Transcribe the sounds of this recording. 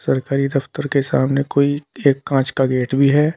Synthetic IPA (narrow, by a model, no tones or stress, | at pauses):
sɐɾkaːɾid̪ɐft̪əɾkesa̰ːmnekoːieːkːãːt͡ʃkaɡeːʈbʱiɦɛː